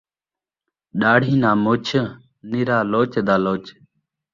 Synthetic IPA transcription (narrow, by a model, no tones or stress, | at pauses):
ɗaːɽ̤ʱiːnaːmoːt͡ʃʰə | nɪɾaːloːt͡ʃd̪aːloːt͡ʃ